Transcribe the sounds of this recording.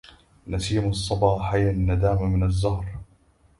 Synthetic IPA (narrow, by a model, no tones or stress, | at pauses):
nasiːmʊsˤːɑbɑːħajanːad̪aːmamɪnazːɑhɾˤ